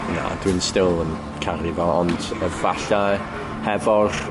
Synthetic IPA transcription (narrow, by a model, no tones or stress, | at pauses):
na̰d̥winstɪlˠən | kʰaɾivɔɔndəvaɬa | hɛvɔr